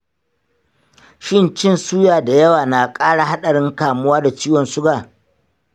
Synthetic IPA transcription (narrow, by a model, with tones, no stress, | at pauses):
ʃɪ˦nt͡ʃɪ˦nsuː˦jaː˨da˨jɐ˦waː˨na˨kʼaː˦ɽa˨ɦa˦ɗɐ˨ɽɪ˦ŋkaː˨mʊ˦waː˦da˨t͡ʃiː˦wɔ˨nsʊ˦ɡaː˨